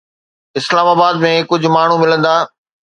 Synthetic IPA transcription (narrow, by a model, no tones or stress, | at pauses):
ɪslaːmaːbaːd̪mẽkʊd͡ʑʱʊ̆maːɳ̤ũmɪlə̃nd̪aː